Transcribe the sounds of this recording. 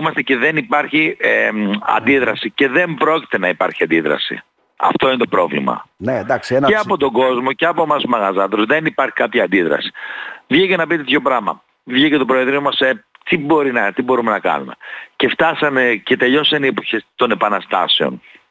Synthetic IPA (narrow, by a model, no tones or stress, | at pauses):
mɐst̪ece̞ðe̞nipɐɾçieɐ̰nd̪iðɾɐsice̞ðe̞mbɾo̞ci̥t̪e̞nɐipɐɾçiɐnd̪iðɾɐ̰sḭ | ɐ̰ft̪o̞inet̪o̞pɾo̞vlḭmɐ̰ned̪akksneɐpo̞t̪o̞ɡo̞zmo̞ceɐpomɐsmɐɣɐzɐt̪ɾozðenipɐɾçi̥kɐpçɐːnd̪iðɾɐ̰si̥vʝicenɐpit̪et̪ço̞pɾɐmɐ̰ | vʝicet̪opɾoeðɾiomɐset̪ibo̞ɾinɐt̪ibo̞ɾume̞nɐkɐ̰nume̞̰ce̞ft̪ɐsɐnece̞t̪e̞ʎo̞sɐniepoçest̪o̞ne̞pɐnɐst̪ɐse̞o̞̰n